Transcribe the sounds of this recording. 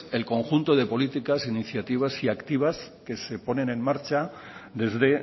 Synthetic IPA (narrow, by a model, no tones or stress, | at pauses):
e̞lko̞ŋxunt̪o̞ð̞e̞po̞lit̪ikasiniθjat̪iβ̞asiakt̪iβ̞aske̞se̞po̞nẽ̞nẽ̞nmaɾt͡ʃa | d̪e̞zðe̞